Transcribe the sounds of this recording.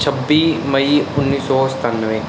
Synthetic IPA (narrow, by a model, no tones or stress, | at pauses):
t͡ʃʰəbːiːmɐiʊnːiːsɔːst̪aːnːəʋẽ